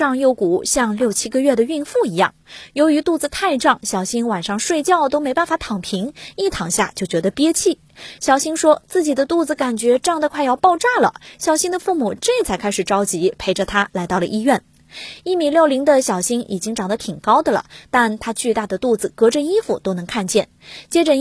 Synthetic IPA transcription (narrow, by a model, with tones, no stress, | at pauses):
ɑ˥˧ŋjo˥˩ʊku˨˩ɕjɑ˥˧ŋljo˥˩ʊt͡ɕʰi˥ɡə˧ɥɛ˥˩d̪ə˩y˥˧nfu˥˩i˧˥jɑ̰˥˩ŋjo˧˥ʊy˧˥t̪u˥˩d͡zɹ̩˨˩t̪ʰa˥˧ɪʈ͡ʂɑ˥˩ŋɕjɑ˨˩ʊɕi˥ŋwa˨˩nʂɑ˥˧ŋʂwe˥˧ɪt͡ɕjɑ˥˩ʊt̪o˥ʊme˧˥ɪpa˥˩nfa˧˥t̪ʰɑ˨˩ŋpʰi˧˥ŋi˥˩t̪ʰɑ˨˩ŋɕja̰˥˩t͡ɕjo˥˩ʊt͡ɕɥɛ˧˥d̪ə˧pjɛ˥t͡ɕʰi˥˩ | ɕjɑ˨˩ʊɕi˥ŋʂwɔ˥t͡sɹ̩˥˩t͡ɕi˨˩d̪ə˦t̪u˥˩d͡zɹ̩˩ka˨˩nt͡ɕɥɛ˧˥ʈ͡ʂɑ˥˩ŋd̪ə˧kʰwa˥˧ɪjɑ˥˧ʊpɑ˥˧ʊʈ͡ʂa˥˩lə̰˩ɕjɑ˨˩ʊɕi˥ŋd̪ə˧fu˥˩mu˨˩ʈ͡ʂe˥˩t͡sʰa˧˥ɪkʰa˥ɪʂ̩˨˩ʈ͡ʂɑ˥ʊt͡ɕi˧˥pʰe˧˥ɪʈ͡ʂə˧t̪ʰa˥la˧˥ɪt̪ɑ˥˩ʊlə̰˩ʔi˥ɥɛ˥˩n | i˥˩mi˨˩ljo˥˩ʊli˧˥ŋd̪ə˧ɕjɑ˨˩ʊɕi˥ŋʔḭ˨˩t͡ɕi˥ŋʈ͡ʂɑ˨˩ŋd̪ə˦t̪ʰi˨˩ŋkɑ˥ʊd̪ə˨lə̰˩t̪a˥˧nt̪ʰa˥t͡ɕy˥˧t̪a˥˩d̪ə˩t̪u˥˩d͡zɹ̩˨˩kɤ˧˥ʈ͡ʂə˧i˥fṵ˨˩t̪o˥ʊnɤ˧˥ŋkʰa˥˧nt͡ɕjɛ˥˩n | t͡ɕjɛ˥ʈ͡ʂə˧